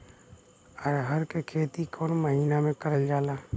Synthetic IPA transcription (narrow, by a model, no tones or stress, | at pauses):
əɾɦəɾkekʰeːt̪ikʰɔːnməɦiːnamẽkəɾəld͡ʒaːlaː